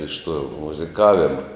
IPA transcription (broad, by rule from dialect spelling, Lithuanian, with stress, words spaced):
ɪʃ tuɔ mʊzʲɪˈkɑːʋʲɪmɐ